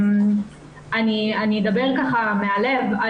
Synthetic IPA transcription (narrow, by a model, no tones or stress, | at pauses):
anianied̪abe̞ʁkaχame̞ale̞va